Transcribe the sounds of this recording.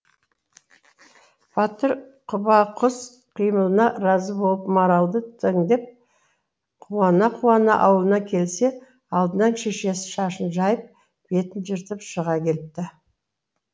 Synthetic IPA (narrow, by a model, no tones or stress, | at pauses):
b̥ʰɑt̪əɾqʰʊbɑqʰʊs | qʰijməlˠənɑɾɑzəbo̞lˠəpmaɾɑlˠd̪ət̪ʰəŋd̪e̞p̚ | qʰuwɑnɑqʰuɑnə̰ʔɑwlˠənɑkʲʰe̞lse̞ | ɑlˠd̪ənɑnʃeʃe̞sɪ̥ʃɑʃənʒɑjəp̚ | b̥e̞t̪ɪnʒɪɾt̪əpʃəʁɑkʲʰe̞lɪp̚t̪ɪ